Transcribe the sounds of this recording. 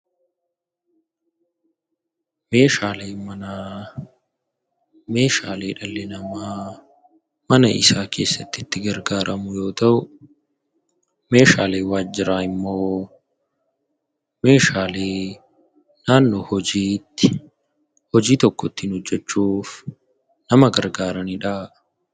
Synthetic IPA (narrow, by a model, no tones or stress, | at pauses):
me̞ːʃaːleːmɐna | meːʃaːle̞ːᶑɐlːɪnɐmaː | mɐnɐ̰ɪsaːkʰe̞ːsːɐt̪ːɪɪt̪ːɪɡɐɾɡaːɾʔɐmʊjo̞ːt̪ɐʔʊ | me̞ːʃaːle̞ːwaːd͡ʒːɪɾaːɪmːoː | me̞ːʃaːleː | naːnːoːhɔd͡ʒiːt̪ːɪ̥ | hɔd͡ʒiːt̪ɔkːɔt̪ːɪnɔd͡ʒːɛt͡ʃːuːf | nɐmɐɡɐɾɡaːɾɐnɪᶑaː